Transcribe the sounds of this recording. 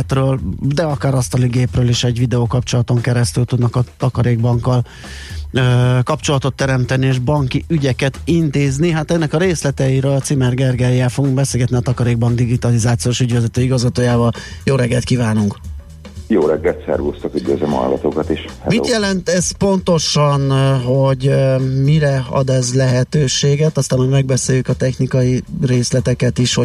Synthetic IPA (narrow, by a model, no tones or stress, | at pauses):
t̪røːld̪ɛɒkaːɾɒst̪ɒliɡeːprøːliʃɛɟvid̪ɛoːkɒpt͡ʃo̞lɒt̪o̞ŋkɛɾɛst̪ylt̪ud̪nɒkɒt̪ɒkɒɾeːɡ̚bɒŋkːɒl | øːkɒpt͡ʃo̞lɒt̪o̞t̪ːɛɾɛmt̪ɛnieːʒbɒŋkiʔyɟɛkɛt̪int̪eːzniɦat̪ɛnːɛkɒɾeːslɛt̪ɛiɾøɒt̪simɛrɡɛrɡɛjːɛlfo̞ɡuŋɡbɛseːlɡɛt̪niɒt̪ɒkɒɾeːɡ̚bɒŋɡd̪iɡit̪ɒlizaːt̪sijoːʃyɟʋɛzɛt̪øːjiɡɒzɡɒt̪oːjaːvɒljoːɾɛɡːɛlt̪̚kiːvaːnuŋk | joːɾɛɡːɛlt̪sɛ̰rɡoːst̪ɒkyɟø̰ːzɛmhɒ̰lɡɒ̰t̪oːkɒt̪eːʃhɛ̰mḭtjɛlɛnt̪ɛzpo̞nt̪oʃɒnɦo̞ɟmiɾɛɒ̰d̪ɛzlɛɦɛt̪øːʃeːɡɛt̪ɒst̪aːnho̞ɟmɛɡ̚bɛseːjykɒt̪ɛxnikɒjireːslɛt̪ɛkɛt̪iʃho